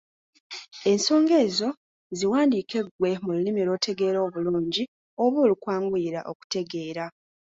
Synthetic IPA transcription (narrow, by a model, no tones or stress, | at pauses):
e̞nso̞ːŋɡe̞ːzo̞ | ziwaːndiːkʰe̞ɡwe̞mululimilo̞ːtʰe̞ɡe̞ːɾo̞ːβuluːɲɟi | o̞βoːlukwaːŋɡwiːɾa̰ʔo̞ku̥te̞ɡe̞ːɾa